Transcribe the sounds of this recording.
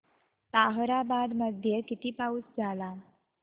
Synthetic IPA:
t̪aɦɾabad̪məd̪ʱjekit̪iːpaut͡sd͡zʱala

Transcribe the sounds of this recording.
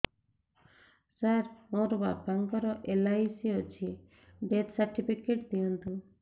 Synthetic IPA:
saɾɔ̃ɾbapaŋkɔɾɔʔelaisiot͡ʃʰi | ɖet̪saɾʈipʰikeʈ̚d̪iɔ̃nt̪u

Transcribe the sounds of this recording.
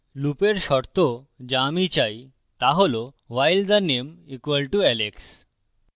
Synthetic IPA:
lupeɾʃɔɾt̪o | d͡ʑamit͡ɕaj | t̪aɦolo | ʋajld̪anemikʋəlʈuɛleks

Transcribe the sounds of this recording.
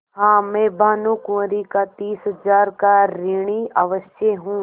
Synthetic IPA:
ɦãːmɛ̃ːbʱaːnukũɾikat̪iːsɦəzaːɾkaɾɪɽ̃iaʋəʃjəɦũ

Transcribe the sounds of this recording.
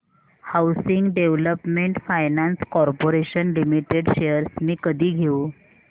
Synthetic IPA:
hawsiŋɡɖeʋləpmeɳʈfajnanskɔɾpoɾeɕənlimiʈeɖɕejəɾsmiːkəd̪ʱiːɡʱeũ

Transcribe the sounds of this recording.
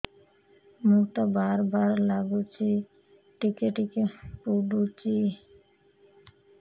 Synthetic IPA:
mukt̪obaɾbaɾlaɡut͡ʃi | ʈikeʈikepuɖut͡ʃi

